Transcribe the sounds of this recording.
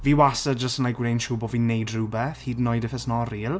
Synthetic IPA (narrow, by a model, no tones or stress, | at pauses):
viːwasəd͡ʒəstənlajkwrenʃuːbɔviːnejdrubɛθhiːdnɔjdɪfɛsnɔriːlˠ